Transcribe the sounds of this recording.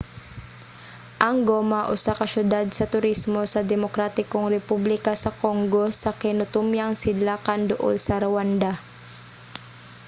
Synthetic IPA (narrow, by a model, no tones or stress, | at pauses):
ʔɐŋɡomaʔʊsakɐʃjʊd̪ad̪̚sɐt̪ʊɾismo̞sɐd̪ɛmokɾaːt̪ɪkoŋɾɛpublɪkasɐko̞ŋɡo̞sɐkɛnot̪umjaŋsɪd̪laːkand̪ʊʔo̰lsɐɾɐwand̪a